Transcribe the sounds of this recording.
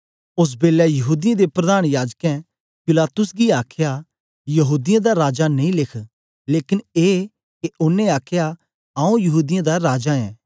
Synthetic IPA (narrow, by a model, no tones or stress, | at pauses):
ʊs̬beːlɛjɐɦuːd̪ɪjãd̪epɾɐd̪aːɽ̃jaːd͡ʒkɛ̃ | pɪlaːt̪ʊsɡiaːkʰja | jɐɦuːd̪ɪjãd̪aɾaːd͡ʒanɐĩlɪkʰ | leːkɪneː | keʔʊnẽaːkʰja | aːũjɐɦuːd̪ɪjãd̪aɾaːd͡ʒaɛ̰̃ː